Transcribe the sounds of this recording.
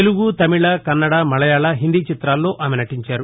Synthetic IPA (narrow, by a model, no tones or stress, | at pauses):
eluɡut̪ɐmiɭɐkɐnːɐɽɐmɐɭɐjaːɭɐɦind̪iːt͡ʃit̪ɾaːlːo̞ːʔaːmenɐʈiɲt͡ʃaːɾu